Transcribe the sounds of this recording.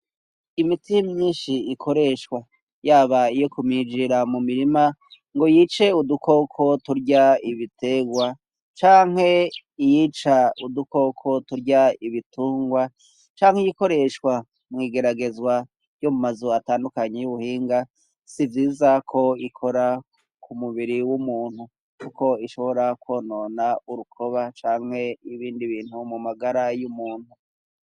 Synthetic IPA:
imitimɲiːnʃiikʰo̞ɾe̞ʃwa | jaːβaijokumid͡ʒiɾamumiɾima | ŋɡo̞jit͡ʃe̞udukʰo̞kʰo̞tuɾɟaiβite̞ɡwa | t͡ʃaːŋ̥he̞ijiːt͡ʃauduko̞kʰo̞tuɾɟaiβituːŋɡwa | t͡ʃaːŋ̥hejiko̞ɾe̞ʃwa | mŋiːɡe̞ɾaɡe̞zwa | jomumazuataːndukaɲejuβuhiːŋɡa | sivjiːzakʰo̞ikʰo̞ɾa | kʰumuβiɾiwumuːn̥hu | kuko̞iʃo̞βo̞ɾakwoːnoːnauɾukʰo̞βat͡ʃaːŋ̥he̞iβiːndiβiːn̥humumaɡaɾajumuːn̥hu

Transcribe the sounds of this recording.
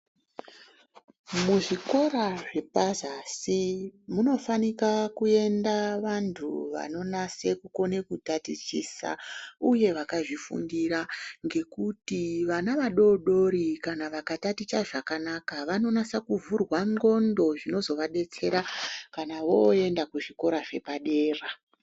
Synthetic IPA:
muʐiko̞ɾaʐe̞pazasimuno̞fanikakue̞ndaʋantʰṵʋa̰no̞nasekuko̞ne̞kutatit͡ʃisa̰uje̞ʋakaʐifṵndiɾaŋɡe̞kutiʋanaʋaɗo̞ɗo̞ɾikanaʋakatatit͡ʃaʐakanakaʋano̞nasakuvurwaŋɡo̞ndo̞ʐino̞zo̞ʋaɗe̞t͡se̞ɾakanaʋo̞e̞ndakuʐiko̞ɾaʐe̞paɗe̞ːra

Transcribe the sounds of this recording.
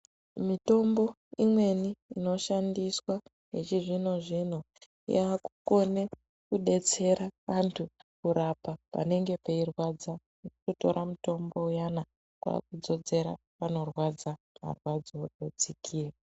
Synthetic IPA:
mito̞mbo̞ | imwe̞niino̞ʃandiswa | ɦet͡ʃiʐino̞ʐin̤o | jaku̥ko̞ne̞ | kuɗe̞t͡se̞ɾaʋantʰukuɾapapa̰ne̞ŋɡe̞peirwad͡za | ukuto̞̰ɾʔamuto̞mbo̞ujana | kwa̰kud͡zo̞d͡ze̞ɾa̰ | pano̞rwad͡za | ma̰rwad͡zoɗod͡zikʰiːra

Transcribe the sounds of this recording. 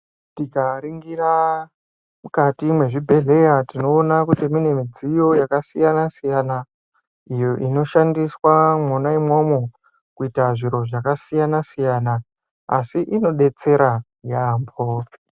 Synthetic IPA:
tikaɾiŋɡira | mukatimwe̞ʐibʱe̞ɮe̞jatino̞ːnakutimine̞mid͡zijo̞jakasijanasijana | ijo̞ʔino̞ʃandiswamonaimo̞mo | kuitaʐiɾo̞ʐakasijanasijanaː | siʔino̞ɗe̞t͡se̞ɾa | jaːmbo

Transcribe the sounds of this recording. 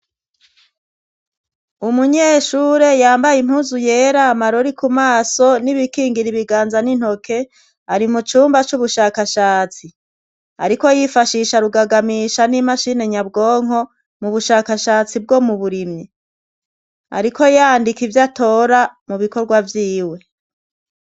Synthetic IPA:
umuɲeːʃuːɾe̞jaːmbajim̥huːzuje̞ːɾaːmaɾoɾikumaːso̞niβikiːŋɡiɾiβiɡaːnzanin̥ho̞kʰe̞ | aɾimut͡ʃuːmbat͡ʃuβuʃaːkaʃaːt͡si | a̰ɾiko̞jifaʃiʃaɾuɡaɡamiːʃanimaʃine̞ɲabɡoːŋ̥o̞ | muβuʃaːkaʃaːt͡sib̚ɡo̞muβuɾimɲi | a̰ɾikʰo̞jaːndikivjato̞ːɾamuβiko̞ɾɡwavjiːwe̞

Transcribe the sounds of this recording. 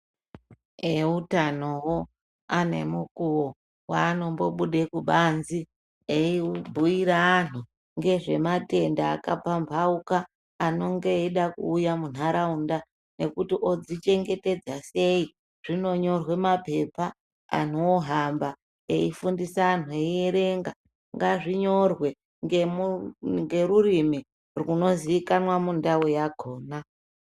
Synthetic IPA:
eutano̞wo̞ | ane̞̰mukuwo | waːno̞mbo̞ɓuɗekuɓanzi | eibʱuiɾaːn̤u | ŋɡe̞ʐe̞mate̞ndaːkapambʱaukaː | no̞ŋɡe̞iɗakṵːjamun̤aɾaunda | ne̞kutiʔo̞d͡zit͡ʃe̞ŋɡe̞te̞d͡zase̞i | ʐ̥ino̞ɲo̞rwe̞mape̞pa | a̰n̤oɦamba | eifundisaːn̤ueieɾe̞ŋɡa | ŋɡaʐiɲo̞rwe̞ | ŋemuŋɡe̞ɾurimi | rwuno̞ziikanwamundawojaɡʱoːna

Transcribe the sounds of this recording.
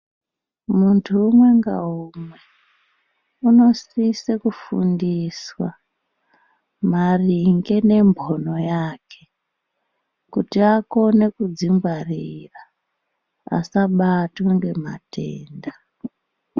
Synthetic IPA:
muntʰuːmwe̞ŋɡa̰umwe | uno̞sisekufṵndiswa | mariŋɡe̞ne̞mbʱono̞jaːkʰe̞ | kutiako̞ne̞kud͡ziŋɡwarira | a̰saɓatoŋɡe̞ma̰tʰe̞̰ːnda

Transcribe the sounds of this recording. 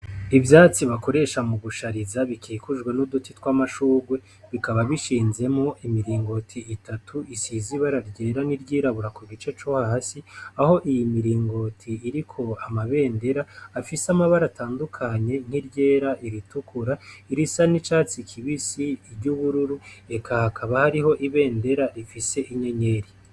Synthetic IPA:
ivjaːt͡siβako̞ɾe̞ʃamuɡuʃaɾizaβikʰiːkuʒɡwenudutitkwamaʃuːɡwe̞ | βikaβaβiʃiːnze̞mŋo̞ʔimiɾiːŋɡo̞tʰiːtʰatʰuisiziβaɾaɾɟe̞ːɾaniɾɟiːɾaβuɾakuɡit͡ʃe̞t͡ʃohaɦasiaho̞ʔijimiɾiːŋɡo̞tʰiːɾikʰo̞amaβe̞ːnde̞ɾaːfisamaβaɾatʰaːndukʰaɲe̞n̥hiɾɟe̞ːɾaʔiɾitukuɾaiɾisanit͡ʃaːt͡sikʰiβisiːɾɟuβuɾuɾue̞kʰahakaβahaɾiho̞ʔiβe̞ːnde̞ɾaɾifise̞ʔiɲe̞ɲe̞ːɾi

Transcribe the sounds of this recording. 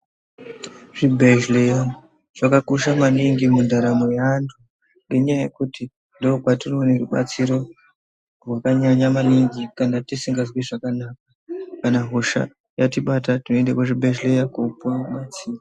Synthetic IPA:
ʐ̥ibʱeʒleja | ʐ̥akakoʃamaniŋɡimundaɾamojantʰu | ŋɡeɲajaje̞kuti | ndookwatinoneruɓa̰t͡siɾo̞ | rwakaɲaɲamaniŋɡikanatisiŋɡazwiʐakanakakanaɦoʃa̰ | jatiɓatatino̞endekwoʐibʱeʒlejakupamat͡siːma

